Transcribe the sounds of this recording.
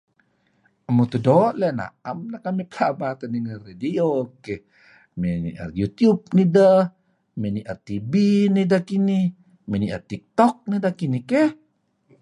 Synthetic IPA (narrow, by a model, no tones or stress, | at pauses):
əmut̪udoʔlɛna̰amnakamipəlabat̪əniŋəredioke | menḭʔə̰rjut̪jub̚nidə | meniʔət̪ibinidakini | miniʔə̰t̪ik̚t̪ɔk̚nidakinikeh